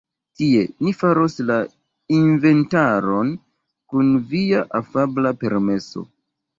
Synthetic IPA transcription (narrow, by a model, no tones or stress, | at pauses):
tie̞nifaɾo̞sla | inve̞ntaɾo̞n | kunviaʔafablape̞ɾme̞so̞̰